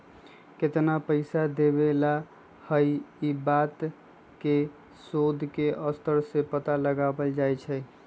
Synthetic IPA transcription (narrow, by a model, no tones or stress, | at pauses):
ket̪napəɪsad̪ebela | həjibat̪ | ke | sod̪ʱkeʔəst̪ʰəɾsẽpət̪aləɡabəld͡ʒajt͡ʃʰəj